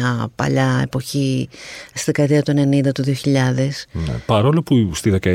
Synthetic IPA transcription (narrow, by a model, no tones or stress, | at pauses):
ɐpɐ̰ʎɐe̞̰po̞çist̪iðekɐt̪iɐt̪oene̞nind̪ɐt̪uðio̞çiʎɐðe̞snḛpɐɾo̞lopust̪iðe̞kɐ